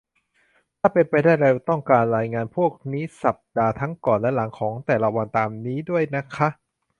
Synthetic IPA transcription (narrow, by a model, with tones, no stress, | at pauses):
t̪ʰaː˥˩pe˧npa˧jdaː˥˩jɾe˧wt̪ɔ˥˩ŋkaː˧nɾaː˧jŋaː˧npʰu˥˩ək̚niː˦˥sa˨˩p̚daː˧t̪ʰa˦˥ŋkɔː˨˩nlɛ˦˥la˩˦ŋkʰɔː˩˦ŋt̪ɛː˨˩la˦˧wa˧nt̪aː˧mniː˦˥du˥˩əjna˦˥kʰa˦˥ʔ